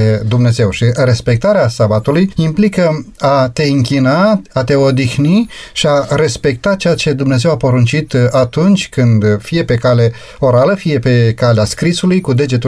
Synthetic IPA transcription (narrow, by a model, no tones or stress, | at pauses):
d̪umne̞ze̞wʃire̞spe̞k̚t̪aɾeasabat̪ulujimplikəat̪e̞ɨŋkinaat̪e̞o̞d̪ixniʃiare̞spe̞k̚t̪at͡ʃejat͡ʃe̞d̪umne̞ze̞wapo̞ɾunt͡ʃit̪at̪unt͡ʃʲkɨnd̪fije̞pe̞kale̞ | o̞ɾaləfije̞pe̞kaleaskɾisulujkud̪e̞d͡ʒe̞t̪u